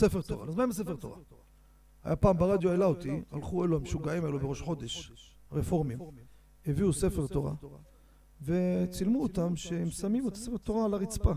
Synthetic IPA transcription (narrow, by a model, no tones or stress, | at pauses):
sefeʁt̪oʁa̰lazmaemesefeʁt̪o̞̰ʁa̰ | a̰japaːmbaʁad̪joelaot̪ia̰lχue̞luaemʃuɡaʕimaelubeʁo̞ʃħo̞d̪e̞ʃ | ʁefo̞ʁmim | heviuse̞fe̞ʁt̪o̞ʁa̰ | ve̞t͡silmuot̪amʃehemsamimet̪asefeʁt̪o̞ʁalaʁit͡spa